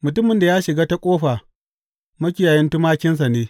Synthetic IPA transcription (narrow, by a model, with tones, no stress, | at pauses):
mʊ˨tʊ˦mɪ˨nda˨jaː˦ʃɪ˨ɡaː˦ta˦kʷʼoː˦ɸaː˨ | mɐ˦kʲɪ˦jaː˨jɪ˦ntʊ˦maː˦kʲɪ˦ns̬ɐ˨neː˦